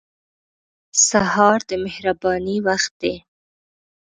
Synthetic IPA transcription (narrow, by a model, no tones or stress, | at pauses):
sahɑɾd̪əmɪhɾabɑniwaxt̪̚d̪e